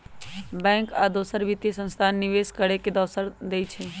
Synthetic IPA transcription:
bɛ̃ːŋkaːd̪oːsəɾʋɪt̪jesə̃nst̪ʰaːnːɪʋeːskəɽeked̪əːsəɾd̪eːit͡ʃʰeː

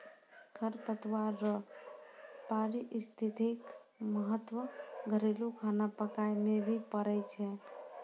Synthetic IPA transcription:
kʰəɾpət̪waɾə | paɾiʔist̪ʰit̪ekməɦət̪ːwəɡʱəɾelukʰanapəkajmebʱipəɾɛt͡ʃʰɛ

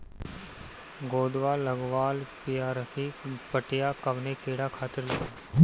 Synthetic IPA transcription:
ɡoːd̪ʋaːləɡʋaːlpɪjaːɾəkʰipəʈɪjaːkəʋnekeːɽakʰaːt̪ɪɾlɐɡaː

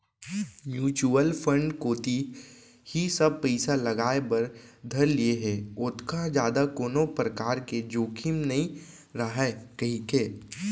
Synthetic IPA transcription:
mjuːt͡ʃuəlpʰə̃ɳɖkoːt̪i | hisɐb̚pɛɪsalɐɡaːepɐɾd̪ʱɐɾlieɦɛ̃ːʊt̪ʰkad͡ʒjaːd̪akoːnopɾəkaːɾked͡ʒoːkʰimnɐɦĩ | ɾɐɦakɐɦĩkeː

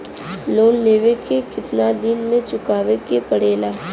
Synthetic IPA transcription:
loːnleːʋekekɪt̪nad̪ɪnmẽt͡ʃʊkaːʋekepɐɽeːlaː

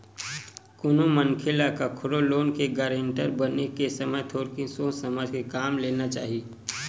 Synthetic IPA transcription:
kʊnoməŋkʰɪlakakʰʊɾoloːnkeɡaɾẽːɳʈəɾbənekesɐmət̪ʰoːɾkĩsõːsɐməd͡ʒkekaːmleːnat͡ʃa̰ːɦie

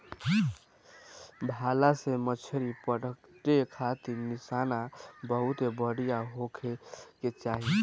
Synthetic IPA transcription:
bʱalasemət͡ʃʰəɾipəɽəkʈekʰat̪inisanabəɦut̪ebəɽijaɦokʰeket͡ʃaɦi

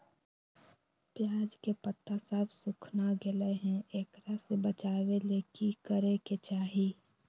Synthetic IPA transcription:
pjaːd͡ʒkepət̪ːasəbsʊkʰnaɡɪleɦɛ̃ʔeːkɾasebət͡ʃaːweleːkikəɾeket͡ʃaːɦi

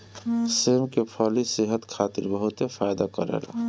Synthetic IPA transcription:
seːmkepʰɔliseɦət̪kʰaːt̪iɾbəɦʊt̪epʰajd̪akəɾḛla̰

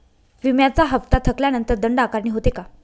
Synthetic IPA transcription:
ʋimjat͡saɦəpt̪at̪ʰəkljanənt̪əɾd̪əɳɖakaɾniːɦot̪eka

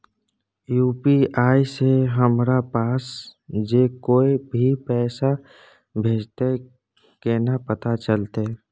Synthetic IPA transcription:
juːpiaːiseɦəmɾapaːsd͡ʒeːkoːibʱipɛːsa | bʱeːd͡ʒt̪e | kenapət̪at͡ʃəlt̪e

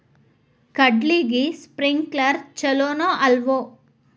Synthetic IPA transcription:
kɐɖliːɡispɾiŋɡklaɾt͡ʃɛloːnoʔɐlʋo

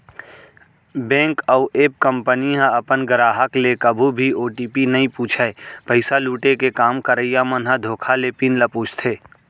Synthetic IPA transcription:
bɛ̃ːŋkəʊʔeːp̚kə̃mpənijãɐpənɡəɾaːɦəklekɐbʱubʱioːʈiːpinɐĩpuːt͡ʃʰaepəɪsaluːʈekekaːmkəɾəjamənɦad̪ʱoːkʰalepinləpuːt͡ʃʰt̪ʰeː

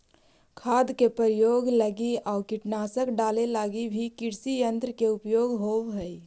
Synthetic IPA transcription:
kʰaːd̪kepəɾjoːɡləɡiɔːɾkɪʈnaːsəkɖaːlelaːɡibʱikɪɾsijə̃nt̪ɾəkeʊpjoːɡɦoːwɦəi

